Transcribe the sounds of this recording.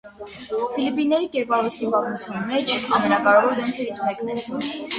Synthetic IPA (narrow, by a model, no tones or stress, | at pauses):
filipinːɛɾikɛɾpɑɾvɛst̪ipɑt̪mut͡sʰjɑnmɛt͡ʃʰɑmɛnɑkɑɾɛvɔɾd̪ɛmkʰɛɾit͡sʰmɛknɛl